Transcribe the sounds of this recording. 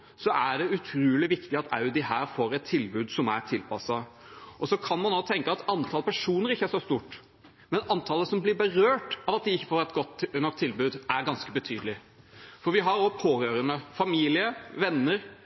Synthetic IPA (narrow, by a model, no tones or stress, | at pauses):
sɔʔæɖɛʉt̪ʰɾuːlɪʋɪkt̪ɪɑt̪ɑ̰ʉd̪ɪhæːɾfoːɾɛt̪ʰːɪlbʉːd̪sɔmæ̰ɾt̪ʰɪlpɑsɑ | ʔɔsɔkʰɑnmɑnːɔt̪ʰɛŋkəɑt̪ɑnt̪ʰɑlpæʂuːnəɾɪçːəæʂɔst̪uːʈ | mɛnɑnt̪ʰɑːləsɔmblɪɾbəɾøːʈɑʋɑt̪̚d̪ɪɪçːəfoːɾɛt̪ɡɔt̪ːnɔk̚t̪ʰːɪlbʉːd̪æɾɡɑnskəbət̪ʰyːd̪əlɪ | fɔɾʋɪɦɑɾɔpʰoːɾøːɾənəfɑmiːlɪəʋɛnːəɾ